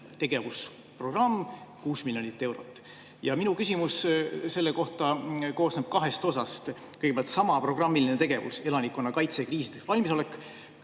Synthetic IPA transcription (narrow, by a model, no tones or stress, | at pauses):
t̪e̞ɡ̥e̞vus | pro̞ɡ̥rɑmːkuːsmiljonit̪ːˑe̞wɾo̰t̪ːˑ | jɑminukysʲimusse̞lːe̞ko̞ht̪ɑko̞ːsneb̥̚kɑɦe̞st̪o̞sɑst̪ | kɤjɡepjɑlt̪sɑmɑpro̞ɡ̥rɑmːilinet̪e̞ɡ̥e̞vṵse̞lɑnikːˑo̞nːɑkɑjt̪se̞kriːsid̪evɑlʲmiso̞le̞kːˑ